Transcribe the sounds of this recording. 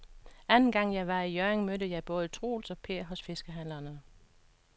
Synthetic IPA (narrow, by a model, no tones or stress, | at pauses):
ænn̩ɡ̥ɑ̈ŋ̰jɑ̈ɪʋɑ̈ijøeŋmødəjɑ̈ɪb̥ɔ̽ːð̞ˠət͡sʰʁo̰ːlsɒ̽pʰe̝ɐɦɒ̽sfe̝sɡ̥əɦæn̰lɐnə